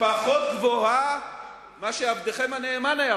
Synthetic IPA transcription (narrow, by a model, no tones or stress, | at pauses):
paχot̪̚ɡvoha | maʃeavd̪eχemhaneːmanaja